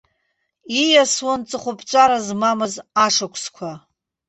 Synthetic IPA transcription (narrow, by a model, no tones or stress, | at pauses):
ijaswant͡sʼɨχʷʊpʰt͡ʃʷʼaɾazmamɨzaʂakʷʰskʷʰa